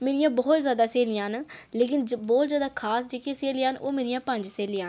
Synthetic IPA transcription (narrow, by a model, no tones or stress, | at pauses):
meːɾɪjãːbɔːt̪zjaːd̪aːseːlɪjãːnːleːkɪnboːld͡ʒəːd̪aːkʰaːsd͡ʒeːkeseːlejaːno̰ːmeːɾɪjãːpə̃ɲd͡ʒseːljãːn